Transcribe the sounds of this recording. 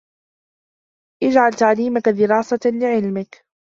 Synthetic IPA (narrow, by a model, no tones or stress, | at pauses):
ʔɪd͡ʒʕalt̪aʕliːmakad̪ɪɾɑːsalɪʕɪlmɪk